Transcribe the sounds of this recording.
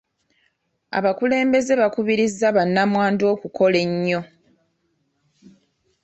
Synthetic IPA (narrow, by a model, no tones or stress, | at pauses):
a̰βakule̞ːmbe̞ze̞βakuβiɾizːaβanːamwaːndo̞ːkuko̞le̞ɲːo̞